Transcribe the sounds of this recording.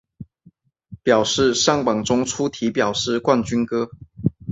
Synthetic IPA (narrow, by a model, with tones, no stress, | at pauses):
pjɑ˨˩ʊʂɻ̩˥˩ʂɑ˥˩ŋpɑ˨˩ŋʈ͡ʂʊ˥ŋʈ͡ʂʰu˥t̪ʰi˨˧˥pjɑ˨˩ʊʂɻ̩˥˧kwa˥˨nt͡ɕy˥nkɤ˥